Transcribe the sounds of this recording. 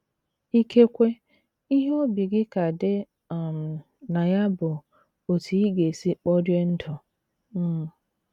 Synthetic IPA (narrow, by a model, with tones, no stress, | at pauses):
i˦kʰe˦kʷe˦ | i˦ɦo˦bi˨ɡɪ˦ka˨dɪ˦˨ | m̩˨ | na˨ja˦bʊ˨ | o˨tʰi˨i˦ɡe˨si˦k͡pɔ˦dje˦n̩˦tʰɔ˨ | m̩˦˨